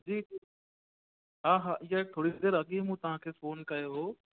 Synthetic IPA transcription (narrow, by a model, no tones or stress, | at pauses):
d͡ʑiːi | ɦaːɦaːʔɪjat̪ʰoːɽid̪eːɾɐɠĩmũt̪ɐʋ̤ãkʰeːfoːnkɐjoɦoː